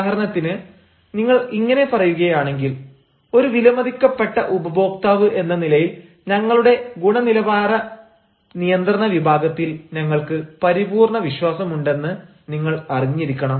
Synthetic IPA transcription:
ɦɐɾɐɳɐt̪ːinɨ | niŋːɐɭiŋːɐne̞pɐrɐjuɣɐjaːɳe̞ŋɡil | o̞ɾuʋilɐmɐd̪ikʲːɐpːe̞ʈːɐʔubɐbo̞ːk̚t̪aːʋɨʔe̞nːɐnilɐjil | ɲɐŋːɐɭuɽe̞ɡuɳɐnilɐbaːɾɐ | nijɐnd̪rɐnɐʋibʱaːɡɐt̪ːilɲɐŋːɐɭkɨpɐɾibuːrɳɐʋiɕwaːsɐmuɳɖe̞nːɨ | niŋːɐɭɐriɲːiɾikʲːɐɳɐm

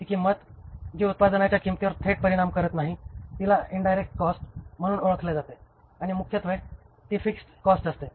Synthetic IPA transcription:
t̪ikiːmət̪ | d͡ʑeut̪̚pad̪ənjat͡ɕjakimt̪iʋəɾt̪ʰeʈ̚pəɾiɽ̃amkəɾət̪naɦit̪ilaiɳɖajɾek̚ʈkɔsʈm̤əɽ̃uːnoɭəkʰled͡zat̪e | aɽ̃imukʰjət̪ʋe | t̪iːfiksʈkɔsʈəst̪e

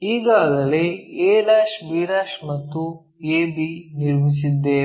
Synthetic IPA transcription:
iːɡaːɡɐleeːɽaːʃbiːɾaːʃmɐt̪ːu | eːbiniɾmis̬id̪ːe

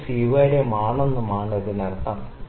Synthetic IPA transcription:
siːʋajiɽemaːɳonːumaːɳɐðɨnɐɽɐt̪ːɐm

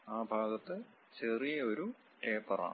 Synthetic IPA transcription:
aːbʱaːɡɐt̪ːɨ | t͡ɕerijɐoɾu | ʈeːpːɐra̰

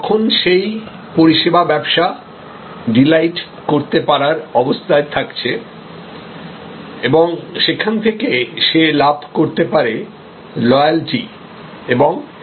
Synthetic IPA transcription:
ɔkʰonʃej | poɾiʃebabɛbʃa | ɖilajʈ | koɾt̪epaɾaɾɔbost̪ʰaet̪ʰakt͡ɕʰe | eboŋʃekʰant̪ʰekeʃelabʱkoɾt̪epaɾe | lɔjald͡ʑi | eboŋ

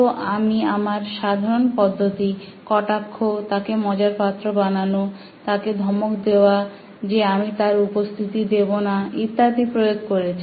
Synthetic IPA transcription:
oʔamiamaɾʃad̪ʱaɾonpɔd̪ʱːot̪i | kɔʈakʰːot̪akemɔd͡ʑaɾpat̪ːɾobanano | t̪aked̪ʱɔmokd̪eoa | d͡ʑeamit̪aɾupost̪ʰit̪id̪ebonait̪ːat̪ipɾojoɡ̚koɾet͡ɕʰ

